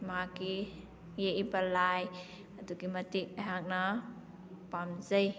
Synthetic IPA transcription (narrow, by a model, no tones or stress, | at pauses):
maki | jeʔibalaj | at̪ukimat̪ik̚aɦak̚na | pamzəj